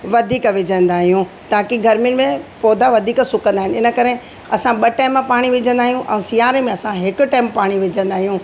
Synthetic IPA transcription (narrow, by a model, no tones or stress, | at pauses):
ʋɐd̪ʱiːkʋɪd͡ʑʱə̃n̆d̪aːɦijũ | t̪aːkiɡʱɐɾmijʊnɪ̆mẽpɔːd̪ʱaʋɐd̪ʱiːksʊkə̃nd̪aːɦɪnɪnə̆kɐɾe | ɐsãɓɐʈaːɪmpaːɽ̃iʋɪd͡ʑʱə̃nd̪aːɦijũʔɛ̰̃ːsijaːɾemẽɐsãɦɪkʊ̆ʈaːmpaːɽ̃iʋɪd͡ʑʱə̃nd̪aːɦijũ